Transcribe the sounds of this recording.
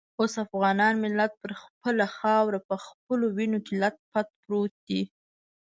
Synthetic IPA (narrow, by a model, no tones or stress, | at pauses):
osafɣɑnɑnmɪlat̪̚pəɾxpəlaxɑwɾapəxp̚əlowinokelat̪̚pat̪̚pɾot̪̚d̪i